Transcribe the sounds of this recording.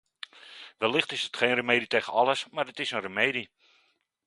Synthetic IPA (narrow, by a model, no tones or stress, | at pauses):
ʋɛlːɪχtɪsətχeːnrəmeːditeːχəɑləsmarətɪsənrəmeːdi